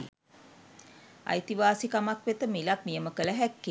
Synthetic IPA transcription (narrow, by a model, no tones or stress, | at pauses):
ɐ̰jt̪iʋaːsikamakʋet̪əmilak̚mijəməkələɦækː